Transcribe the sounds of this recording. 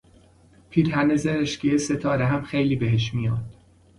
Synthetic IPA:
pʰiːɾhænezeɾeʃcijeset̪ʰɒːɾeɦæmxejliːbeɦeʃ̬mijɒːd̪̥

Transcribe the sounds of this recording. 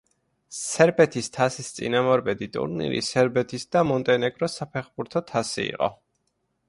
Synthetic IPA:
sɛɾbɛt̪ʰist̪ʰasist̪sʼḭnamɔɾbɛd̪it̪ʼṵɾnḭɾḭsɛɾbɛt̪ʰisd̪̥amɔnt̪ʼɛnɛɡʼɾɔsapʰɛχbuɾt̪ʰɔt̪ʰasiḭqʼɔ̰

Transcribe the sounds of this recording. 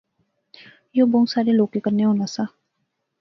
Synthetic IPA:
joːboŋsaːɾeloːkːekəɾneɦoːnasaː

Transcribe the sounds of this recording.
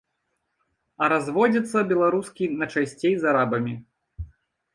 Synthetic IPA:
ɐɾazvɔd͡zʲit̪sːɐbʲɛlˠaɾuskʲinɐt͡ʂasʲt͡sʲejzaɾabɐmʲi

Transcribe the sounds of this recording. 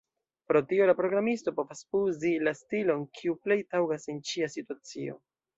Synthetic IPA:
pɾo̞tio̞lapɾo̞ɡɾamisto̞po̞vasuzilastilo̞nkʰiuple̞jtawɡasent͡ʃiasituat͡sio̞̰

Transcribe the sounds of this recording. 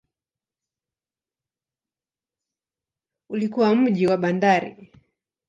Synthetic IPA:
ulikuwam̩ʄiwaɓandaɾḭ

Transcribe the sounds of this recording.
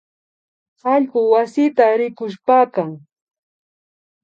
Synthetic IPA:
hɑʎɢʊwasɪt̪aɾɪkʊʃpaːkaŋ

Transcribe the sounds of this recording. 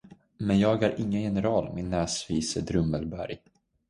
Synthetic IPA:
mɛnjɑːɡæɾʔɪŋːəjɛnɛɾɑːlmɪnːæːsviːsəd̪ɾɵmːəlbæɾj

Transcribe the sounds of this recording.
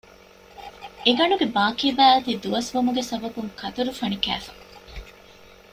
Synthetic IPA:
eɡɐɳuɡebaːkeːbæːɐt̪id̪uʋɐsʋumuɡesɐbɐbuŋkɐt̪uɾufɐɳikæ̰ːfɐ̥

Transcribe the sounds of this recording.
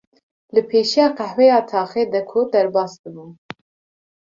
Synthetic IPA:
lɨpʰeːʃijɑːqæhwɛjɑːt̪ʰɑːxeːd̪ɛkʰud̪ɛɾbɑːsd̪ɨbun

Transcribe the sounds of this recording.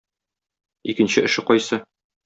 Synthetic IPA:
ikɘ̆nɕɘʔɘ̆ʃɘqɒjsɤ

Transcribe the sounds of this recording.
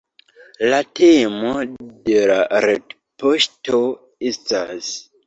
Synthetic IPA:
latemo̞de̞laɾed | posto̞ | estas

